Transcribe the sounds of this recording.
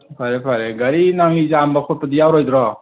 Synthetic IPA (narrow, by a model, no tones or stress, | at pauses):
pʰaɾepʰaɾeɡaɾinaŋizambakʰut̚pad̪ijawɾɔjd̪ɾɔ